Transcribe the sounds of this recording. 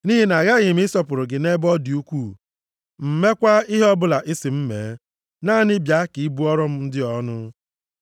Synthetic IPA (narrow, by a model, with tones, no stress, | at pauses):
ni˦ɦi˦na˨ɣa˦ɣɪ˨m̩˦ɪ˦sɔ˦pʊ˨ɾʊ˨ɡɪ˨ne˦bɔ˦di˨u˦kʷuː˦˨ | m̩˨me˦kʷa˦i˦ɦe˦ɔ˦bʊ˨la˨ʔɪ˦sɪ˨m̩˦mḛ˨˦ | na˦˨nɪ˦bja˨˦ki˨˦bu˦ɔ˦ɾɔ˦m̩˦n̩˦dɪ˦ɔ˦nʊ˦